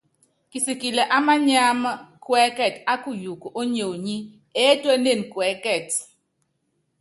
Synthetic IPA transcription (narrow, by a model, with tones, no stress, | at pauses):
ki˨si˨ki˨lɛ˨ʔa˦ma˦ɲa˦m˦kwɛ˦kɛ˨ta˦ku˦˨ju˨ko˨ʔo˦ɲo˨ɲi˦ | ɛ˦twɛ˦ne˦˨nkwɛ˨˦kɛ˨t